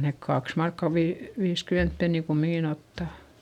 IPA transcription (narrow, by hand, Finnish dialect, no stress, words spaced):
nek kɑks mɑrkːɑ ʋiː ʋiːskyment penːi kumːiŋkin otːɑˑ